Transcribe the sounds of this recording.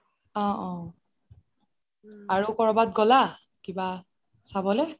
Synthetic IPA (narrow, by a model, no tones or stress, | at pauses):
ɔ̃ʔɔ̃ | aɹukɔɹɔbat̚ɡɔla | kiba | sabɔlɛ